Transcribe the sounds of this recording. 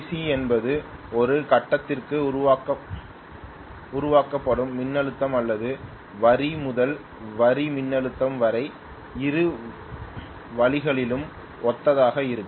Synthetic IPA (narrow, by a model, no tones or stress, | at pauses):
siɛnbɐðɯɔɾɯkɐʈːɐt̪ːɪrkɯʊɾʊʋaːkɐ | ʊɾʊʋaːkɐpːɐɽɯmːɪnːɐɭɯt̪ːɐmɐlːɐðɯ | ʋɐɾimʊðɐl | ʋɐɾimɪnːɐɭɯt̪ːɐmʋɐɾɐɪ | ɪɾɯ | ʋɐɭɪɣɐɭɪlɯm | ɔt̪ːɐðaːɣɐɪɾɯkːɯ